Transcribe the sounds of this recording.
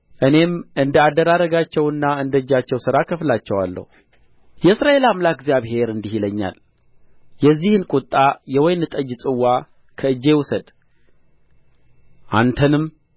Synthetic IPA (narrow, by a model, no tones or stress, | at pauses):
ʔɨne̞mɨnd̪əad̪əɾaɾəɡat͡ʃːɛwɨnːaɨnd̪əd͡ʒːat͡ʃːɛwsɨɾakʰəflat͡ʃːɛwa̰lːə̰hu | jɛɨsɾaʔe̞lamlak̚ɡzjaβhe̞ɾɨnd̪ihiləɲːa̰l | jɛzːihɨnkʼut̪ʼːajɛwɔjnɨt̪ʼəd͡ʒsʼɨwːa | kʰəɨd͡ʒːe̞wʊsəd̪ | ʔa̰nt̪ʰənɨm